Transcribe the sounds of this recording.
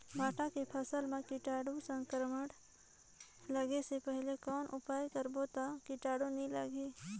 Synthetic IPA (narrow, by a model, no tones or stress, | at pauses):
bʱaːʈakepʰəsəlmẽkɪʈaːɽõsə̃ŋkəɾməɽ | ləɡesepɛɦlekɔːnʔʊpaːjkəɾboːt̪akɪʈaːɽõnĩlaɡeː